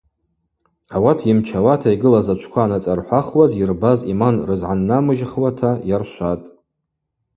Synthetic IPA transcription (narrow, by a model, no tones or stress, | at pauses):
awatʰimt͡ʃʰawatʰaiɡɨlazat͡ʃʷʰkʷʰaːnat͡sʼarħʷaχwazirbazimanrɨzʕanːamɨʒχwatʰajarʃʷatʼ